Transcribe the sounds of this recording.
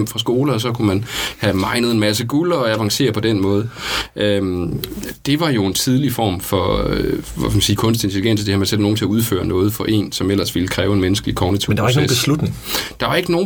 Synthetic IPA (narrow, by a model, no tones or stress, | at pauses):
m̰fʁɑ̈s̬ɡ̥o̝ːlɐɒs̬ɒ̽kʰumænhæmɑ̈ɪnəð̞̩ˠe̝nmæs̬əɡ̥ulɐɒ̽æʋɑ̈ŋse̝̰ːɐpʰɒ̽d̥en̰mɔ̽ːð̞ˠʔø | d̥e̝ʋɑ̈jo̝e̝nt͡sʰið̞ˠlifɒ̰ːmfɒ̽ | mæsiːkʰɔ̽ns̬d̥e̝nt͡sʰeliɡ̥en̰sɒd̥e̝hæmeseld̥no̝ːn̩t͡sʰe̝æuð̞ˠfø̰ːɐnɔːð̞̩ˠfɒ̽ʔe̝̰ːnsɒ̽mel̰ɐsʋiləkʰʁɛːʊe̝nmenəsɡ̥əlikʰɒʊnit͡sʰḭmnd̥ʋaɪɡnoeb̥slud̥ne̝ŋd̥ɑ̈ʋɑ̈e̝ɡ̥əno̝ː